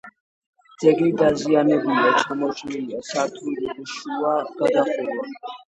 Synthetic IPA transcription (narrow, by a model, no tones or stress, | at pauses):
d̪zɛɡid̪azianɛbuliat͡ʃʰɔmɔt͡ʃʼniliasat̪ʰuiliuʃuaɡ̥ad̪aχula